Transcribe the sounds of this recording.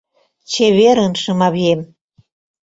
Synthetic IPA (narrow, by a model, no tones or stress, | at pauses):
t͡ɕeβeɾənʃəmɑβiem